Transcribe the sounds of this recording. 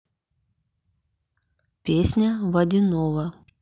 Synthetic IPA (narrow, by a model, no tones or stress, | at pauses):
pʲesʲnʲɐvɐd̪ʲɪnovɐ